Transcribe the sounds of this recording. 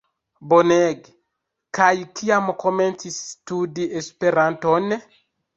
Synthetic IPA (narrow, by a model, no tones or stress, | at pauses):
bɔnɛɡ | kajkʰiamɔkɔmɛntistudiespeɾantɔnɛ